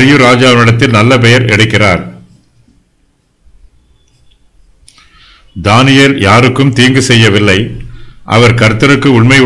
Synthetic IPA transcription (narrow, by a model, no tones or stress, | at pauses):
ɾɪjɯɾaːd͡ʒaːʋɐnɪɽɐt̪ːɪlnɐlːɐp̬ɛjɐɾɛ̰ɽɯkːɪraːɾ | d̪aːnɪjeljaːɾɯkːɯmt̪iːŋɡɯsɛjːɐʋɪlːɐɪʔɐ̰ʋɐɾkɐɾt̪ːɐɾɯkːɯʊɳmɐɪ